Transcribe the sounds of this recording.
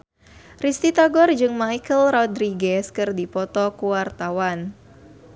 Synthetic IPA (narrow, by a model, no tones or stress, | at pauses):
rist̪it̪aɡɔrd͡ʒɨŋmajkəlrɔd̪ɾiɡɛskɨrdipɔt̪ɔkuwart̪awan